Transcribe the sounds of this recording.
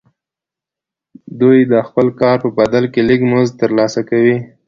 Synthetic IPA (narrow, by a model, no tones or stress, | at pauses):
d̪ujd̪əxpəlkɑɾpəbad̪alkelikmozt̪əɾlɑsakawi